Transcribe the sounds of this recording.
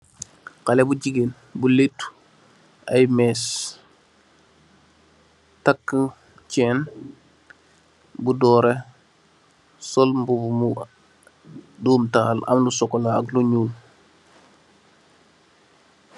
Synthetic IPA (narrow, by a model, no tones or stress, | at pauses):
kalebuɟiɡen | buletːu̥ | ajmes | takːə | t͡ʃɛːn | budɔːɾe | sɔlmbubumu | duːmtaːlɐ̰mlusɔkːolaːkluɲuːl